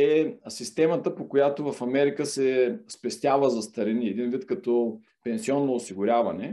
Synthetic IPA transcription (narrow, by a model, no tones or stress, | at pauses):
ɛsist̪ɛmət̪əpokojat̪ovɐfɐmɛɾikəsɛspɛst̪ʲjavəzɐst̪ɐɾɛniɛd̪invit̪kɐt̪ɔ | pɛnsiɔnːoːsiɡʊɾʲavɐnɛ